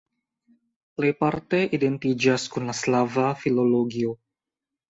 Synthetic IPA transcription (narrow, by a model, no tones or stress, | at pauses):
lejpaɾt̪eʔident̪id͡ʒaskunlaslavafiloloɡio